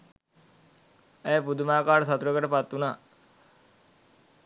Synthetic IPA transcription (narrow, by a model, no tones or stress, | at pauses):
ɛːpud̪umaːkaːɾsat̪uɾəkəʈəpat̪ːunaː